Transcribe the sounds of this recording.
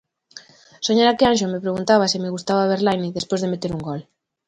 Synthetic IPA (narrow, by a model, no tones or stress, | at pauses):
soɲaɾakeanʃomepɾeɣunt̪aβ̞asimeɣust̪aβaβ̞eɾlajniðespozðemet̪eɾuŋɡɔl